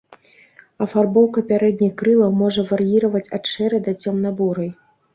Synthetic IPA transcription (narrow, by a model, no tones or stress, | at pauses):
ɐfarbɔwkɐpʲaɾɛd̪̚ʲnʲixkɾɨlˠɐwmɔʐɐvɐrjiɾɐvɐt͡sʲatʂɛɾɛd̪ɐt͡sʲɔmnabuɾɐj